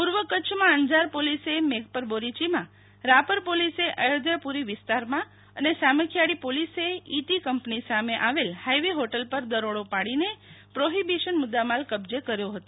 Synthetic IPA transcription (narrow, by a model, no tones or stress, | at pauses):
puɾʋəkət͡ʃʰmãəɲd͡ʒaɾpolisemeɡ̚pəɾboɾit͡ʃimã | ɾapəɾpoliseʔəjəd̪əpuɾiʋɪst̪aɾmã | ənesaməkʰjaɽipoliseit̪ikəmpnisameʔaʋelhajʋeɦoʈəlpəɾd̪əɾoɽopaɽinepɾoɦibiʃənmʊd̪ːamalkəbd͡ʒekəɾjoɦət̪o